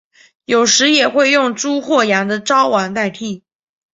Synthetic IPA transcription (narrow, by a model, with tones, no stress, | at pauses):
jo˨˩ʊʂɻ̩˧˥jɛ˨˩xwe˥˧ɪjʊ˥˩ŋʈ͡ʂu˥xwɔ˥˩ja˧˥ŋd̪ə˧ʈ͡ʂɑ˥ʊwa˨˧˥nt̪a˥˧ɪt̪ʰi˥˩